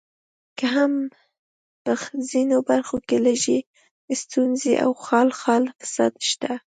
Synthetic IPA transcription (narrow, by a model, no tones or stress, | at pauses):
kaɦam | pəzinobaɾxokelaʒi | st̪unzḛʔa̰wxɑlxɑlfɪ̥sɑ̰d̪ʃt̪a